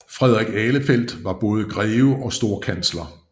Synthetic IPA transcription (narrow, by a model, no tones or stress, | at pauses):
fʁɛð̞̰ˠʁɛɡ̥ɛːləfel̰d̥ʋɑ̈b̥ɔ̽ːð̞̩ˠəɡ̥ʁɛːʊʔɒ̽sd̥o̝ːɐ̰kʰænslɐ